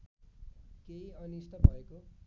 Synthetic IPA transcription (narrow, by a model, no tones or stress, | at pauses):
keĩʌnist̪ʌbʱʌeko